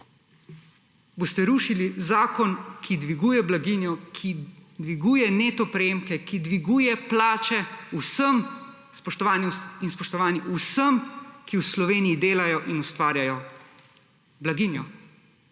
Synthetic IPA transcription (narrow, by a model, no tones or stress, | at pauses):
bost̪ɛɾuːʃilizaːkɔnkʰid̪ʋiɡuːjɛblaɡinjɔkʰid̪ʋiɡuːjɛneːt̪ɔpɾɛjeːmkɛkid̪ʋiɡuːjɛplaːt͡ʃɛusəm | spɔʃt̪ɔʋaːnjɛinspɔʃt̪ɔʋaːniʔusəmkiwslɔʋeːnijid̪eːlajɔʔinust̪ʋaːɾjajɔ | blaɡinjɔ